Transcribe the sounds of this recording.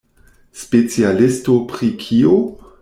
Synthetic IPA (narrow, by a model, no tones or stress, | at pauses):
spet͡sialistopɾikʰio